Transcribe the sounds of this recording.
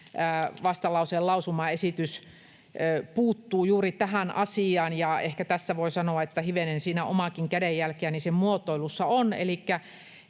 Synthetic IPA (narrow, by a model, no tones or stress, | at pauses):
æːʋɑst̪ɑlɑuseːllɑusumɑesit̪ys | øpuːt̪ːuːjuːrit̪æhænʔɑsiɑːnjɑehkæt̪æsːæʋoisɑnoɑet̪ːæhyʋenensiːnæʔo̰mɑkiŋkædejjælkeænisemmuot̪oilusːɑonḛlikːæ